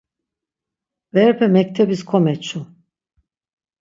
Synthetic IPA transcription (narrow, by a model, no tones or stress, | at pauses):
vɛɾpʰɛmɛc̚t̪ʰɛbiskʰomɛt͡ʃʰu